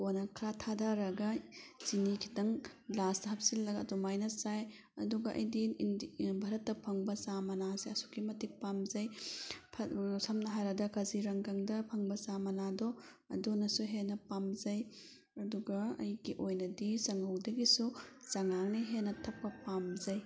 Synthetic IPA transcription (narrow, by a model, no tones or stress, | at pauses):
konɐkʰɾatʰadʱaɾɐɡɐzinikʰi̥tɐŋlastɐɦɐp̚silːɐɡɐdumajnɐsaj | ɐduɡɐʔɐ̰jdi | bʱɐɾɐtːɐpʰɐŋbɐsamɐnaseɐsu̥kimɐtik̚pamzɐjpʰɐsɐmnɐɦajɾɐdɐkaziɾɐŋkɐŋdɐpʰɐŋbɐsamɐnadɔ | ɐ̰dunɐsuɦenɐpamzɐj | ɐduɡɐɐ̰jɡiʔojnɐdisɐŋɐwdɐɡisusɐŋaŋniɦenːɐtʰɐp̚pɐpamzɐj